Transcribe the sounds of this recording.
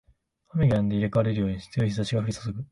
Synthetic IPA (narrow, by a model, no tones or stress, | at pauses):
hameɡʲãnd̪e̞iɾekaaɾe̞ɾɯ̟joːɲ̟iɕi̥t͡sɨjo̞çis̬aɕiɡaɸɾʲisosoɡɯ̟